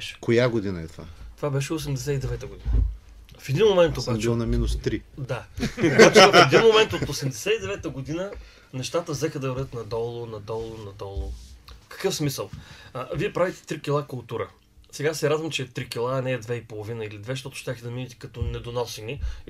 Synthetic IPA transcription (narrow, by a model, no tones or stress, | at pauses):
ɛʃɛ̥kojaɡod̪inəɛt̪ova̰t̪o̥vabɛʃ̬ɛosɛmd̪ɛs̬ɛid̪ɛvɛt̪əɡod̪inə | fɛd̪inmomɛnt̪obat͡ʃɛlˠnɐminʊst̪ɾid̪akat͡ʃofɛd̪inmomɛnt̪ot̪t̪osɛmd̪ɛsɛid̪ɛvɛt̪əɡod̪inə | nɛʃt̪at̪əvzɛxəd̪ɐvɾd̪ət̪nɐd̪ɔlˠonɐd̪ɔlˠonɐd̪ɔlˠofkɐ̥kɤfsmisəlˠviɛpɾavit̪ɛ̥t̪ɾikʲilˠakʊlˠt̪uɾə | sɛɡasɛɾad̪vəmt͡ʃɛt̪ɾikʲilˠaːnɛːd̪vɛipolˠovinəilid̪vɛʃ̬t̪ɔt̪ʊʃt̪ʲaxd̪ɐminit̪ɛ̥kɐt̪ɔnɛd̪onɔsini